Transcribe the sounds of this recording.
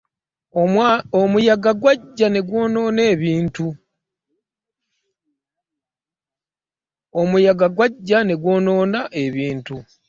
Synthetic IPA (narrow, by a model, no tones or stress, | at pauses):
omujaɡaɡwaɟːaneɡwoːnoːne̞ːβiːntu | omujaɡaɡwaɟːane̞ɡwoːno̞ːnaʔe̞βiːntu